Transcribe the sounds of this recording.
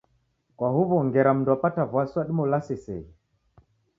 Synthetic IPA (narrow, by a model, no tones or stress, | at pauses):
kwaɦuβɔŋɡɛɾam̩nduapatavwaswaɗimɔlasɛsɛ̰i